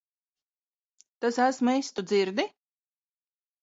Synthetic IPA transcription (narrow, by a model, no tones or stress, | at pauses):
t̪asæsmejst̪ud̪ziɾd̪i